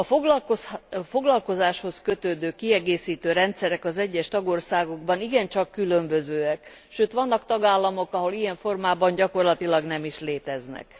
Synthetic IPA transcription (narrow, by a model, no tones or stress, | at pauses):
ɒfoɡlɒkofo̞ɡlɒlko̞zaːʃho̞skø̞t̪øːd̪øːkiɛɡeːsiːt̪øːɾɛnt̪sɛɾɛkɒzɛɟːɛʃt̪ɒɡo̞rsaːɡo̞ɡbɒniɡɛnt͡ʃɒkːylømbø̞zøːɛk | ʃøːt̪ʋɒnːɒkt̪ɒɡaːlːɒmo̞kɒɦo̞lijɛɱfo̞rmaːbɒɲɟɒko̞rlɒt̪ilɒɡnɛmiʃleːt̪ɛznɛ̰k